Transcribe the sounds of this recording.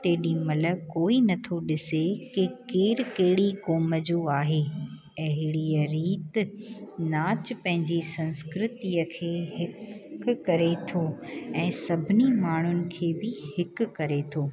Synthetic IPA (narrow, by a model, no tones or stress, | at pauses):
t̪eːɪɗimɐlə̆koːinɐt̪ʰoɗɪsekɪkeːɾkeɦɪɽikoːməd͡ʑoːaːɦeː | ɐɦɪɽiəɾiːt̪ | naːt͡ɕpɐ̃ɦɪ̃ɲd͡ʑisɐ̃nskɾɪt̪iəkʰeːɦɪkkɐɾet̪ʰoːɛ̃ːsɐbʱɪnimaːɳ̤ʊnɪ̆kʰeːbɪhɪkʊ̆kɐɾet̪ʰoː